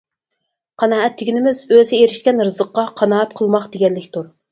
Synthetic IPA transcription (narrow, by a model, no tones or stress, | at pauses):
qʰɑnɑːɛt̪ʰːɪɡʲinɪmɪzøzɪeɾɪʃkʲɛnɾɨzəqːɑqʰɑnɑːɛt̪̚qʰəlˠmɑqd̪eɡʲɛlːɪkʲt̪ʰuɾ